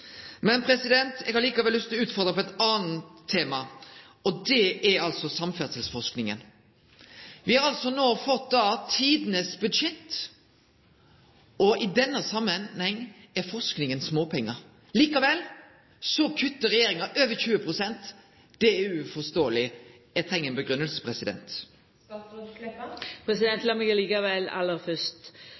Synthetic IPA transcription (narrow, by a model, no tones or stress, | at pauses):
mɛnpʰɾɛsɪd̪ɛnt̪ɛɡhɑɾliːkɑʋɛlːʏst̪ʰɪlɔʉːt̪fɔɾd̪ɾəpɔɛt̪ɑːn̩t̪ʰːeːmɑ | ɔd̪ɛʔɛɾɑlsɔsɑmfæsəlsfɔʂknɪŋə̰n | ʋɪhɑɾɑlsɔnoːfɔt̪̚d̪ɑːt̪ʰiːd̪nəsbʉd̪ʃɛt̪ː | ʔɔʔɪd̪ɛnːəsɑmːənhɛŋː | ɛɾfɔsknɪŋənsmoːpʰɛŋːə | liːkɑʋɛl | sɔkʰʉt̪ːəɾɛjeːɾɪŋɑʔøːʋəçʉːəpʰɾʊsɛnt̪ | d̪̥ɛæʉfɔst̪oːəlɪ | ɛt̪ʰɾɛŋːənbəɡɾʉnːəlsə̥pʰʁɛsɪd̪ɛ̰nt̪ | pʰɾɛsɪd̪ɛnt̪lɑmɪɡəliːkɑʋɛlɑ̰lːəfœst̪